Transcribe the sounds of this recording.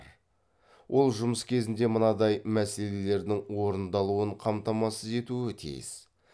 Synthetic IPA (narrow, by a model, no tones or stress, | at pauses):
ɾ | wʔo̞lˠʒʊməskʲʰe̞zɪnd̪e̞mənɑd̪ɑjmæse̞le̞le̞ɾd̪ɪŋwo̞ɾənd̪ɑlˠuəɴqʰɑmt̪ɑmɑsəze̞t̪uɪt̪ʰḭjɪ̰s